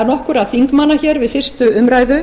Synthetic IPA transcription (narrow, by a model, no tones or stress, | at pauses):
ɾnɔhkʏɾaðfiŋkmanːaçɛɾvɪðθfɪr̥st̪ʏʏmɾaːjðʏ